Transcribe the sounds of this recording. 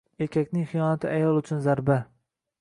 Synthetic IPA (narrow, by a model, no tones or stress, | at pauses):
e̞kʲʰakʲnɪŋχɨjɒnat̪ʰɪʔajɒlˠʊt͡ʃʰʊnzaɾba